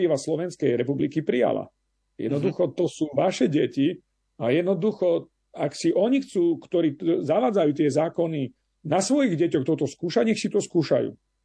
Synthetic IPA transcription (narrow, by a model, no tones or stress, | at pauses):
iʋaslɔʋɛnskɛjɾɛpublikipɾija̰la̰ | jɛ̰d̪nɔd̪uxɔt̪ɔsuːʋaʃɛɟɛci | ajɛd̪nɔd̪uxɔ | aksiʔɔɲixt͡suːkt̪ɔɾiːzaʋaːd͡zajuːt̪̬ɪɛzaːkɔni | nasʋɔjiɣɟɛcɔxt̪ɔt̪ɔskuːʃaɲɛxsit̪ɔskuːʃa̰jṵː